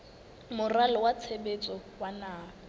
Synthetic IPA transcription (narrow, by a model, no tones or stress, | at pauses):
mʊralɔwat͡sʰebet͡sʼɔwanaː